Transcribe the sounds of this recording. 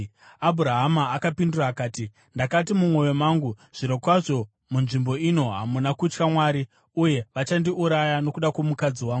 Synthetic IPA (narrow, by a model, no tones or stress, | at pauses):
abʱuɾaɦamaːkapinduraːkaːti | ndakat̬imumwo̞ʋemaːŋɡuʐ̥iɾokwaʐo̞ | munʐimbo̞ino̞ɦamunakut͡ʃkamwaːɾi | uje̞ʋat͡ʃandiʔuɾajano̞kuɗakwomukad͡ziwaːŋɡu